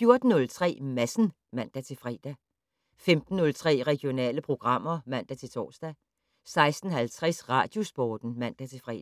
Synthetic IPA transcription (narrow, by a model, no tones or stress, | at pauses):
fjo̝ɐd̥n̩nɔ̽lt͡sʰʁɛ̰ːmæsn̩ | mæn̰d̥æt͡sʰe̝fʁɛ̰ːd̥æ | femd̥n̩ːɔ̽lt͡sʰʁɛ̰ːʁɛɡ̥jo̝nɛ̰ːləpʰʁo̝ɡ̥ʁɑ̈m̰ɐmæn̰d̥æt͡sʰe̝t͡sʰɒ̰ːsd̥æ | sɑ̈ɪsd̥n̩ɦælt͡sʰʁɛsʁɑ̰̈d̥jo̝sb̥ɒːd̥n̩mæn̰d̥æt͡sʰe̝fʁɛ̰ː